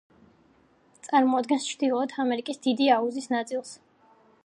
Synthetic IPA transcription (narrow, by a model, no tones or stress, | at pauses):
t̪sʼaɾmɔad̪ɡɛnst͡ʃʰɾd̪ilˠɔɔt̪ʰamɛɾikʼisd̪id̪iauzisnat̪sʼilˠs